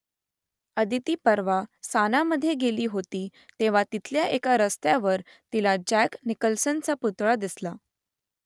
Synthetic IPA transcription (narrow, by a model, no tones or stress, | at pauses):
əd̪ʱit̪iːpəɾʋasanaməd̪ʱːjeɡeliːɦot̪iːt̪eʋ̤at̪it̪ʰljaʔekaɾəst̪jaʋəɾ | t̪ilad͡ʑæknikəlsənt͡saput̪ɭad̪isla